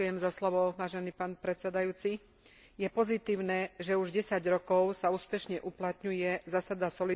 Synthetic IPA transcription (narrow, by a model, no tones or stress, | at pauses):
jɛmzaslɔʋɔʋaːʒɛniːpaːnpɾɛt̪t͡sɛd̪ajuːt͡si | jɛpɔzit̪iːʊnɛːʒɛuʒɟɛsaɟɾɔkɔʊsauːspɛʃɲɛʔuplat̪ɲujɛzasad̪asɔli